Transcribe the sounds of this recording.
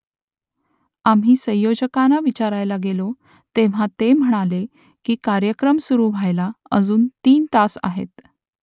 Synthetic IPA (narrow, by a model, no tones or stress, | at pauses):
am̤ɦiːsə̃jjod͡ʑəkanaʋit͡ɕaɾajlaɡelo | t̪eʋ̤at̪em̤əɽ̃ale | kiːkaɾjəkɾəmsuɾuːʋʱajlaəd͡zuːnt̪iːnt̪asa̰ɦḛt̪